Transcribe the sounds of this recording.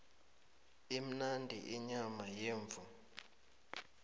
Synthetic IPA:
im̩nandʱḭʔiɲamajeːɱvʱu

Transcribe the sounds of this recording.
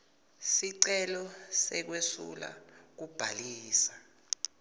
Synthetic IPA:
siǀɛlɔsɛk̬wesṵla̰k̬ub̥ʱaliːsḁ

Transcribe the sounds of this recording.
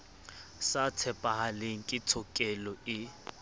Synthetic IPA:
satʰɛpʼahaleŋ̩kʼɪtʰɔkʼɛlɔɪ

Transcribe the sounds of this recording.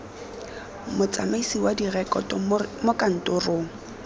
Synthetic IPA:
mʊt͡sʼamaisiwadirɛkʼɔtɔmokʼan̩tʼʊrʊ

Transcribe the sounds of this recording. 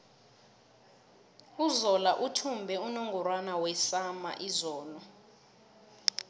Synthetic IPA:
uzɔlaʔutʰumbʱɛunoŋɡuɾwanawɛsama̰ʔizɔːnɔ

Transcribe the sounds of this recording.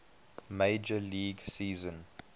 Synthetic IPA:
meɪd͡ʒəliːɡsiːzə̃n

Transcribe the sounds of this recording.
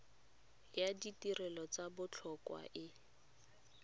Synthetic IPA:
jaditirɛlɔt͡sabʊt͡ɬʰɔkwa̰ʔɪ

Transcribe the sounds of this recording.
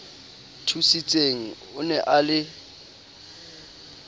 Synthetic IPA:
tʰusit͡sʼeŋ̩ | ʊnɛʔalɪ

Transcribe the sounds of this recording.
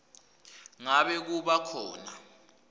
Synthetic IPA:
ŋaɓɛk̬uɓakʰɔːna

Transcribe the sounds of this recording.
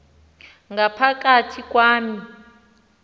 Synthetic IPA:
ŋɡapʰak̬ʼatʰik̬ʼwaːmi

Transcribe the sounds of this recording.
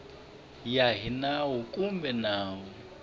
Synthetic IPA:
jaɦinawʊkʼumbɛnaːɦʊ

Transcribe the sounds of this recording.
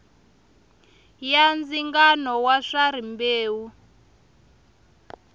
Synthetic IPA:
jand͡ziŋɡanɔwaʂaɾimbeːwu

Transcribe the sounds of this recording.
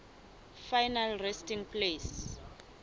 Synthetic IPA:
fajnalrɛstiŋpʰles

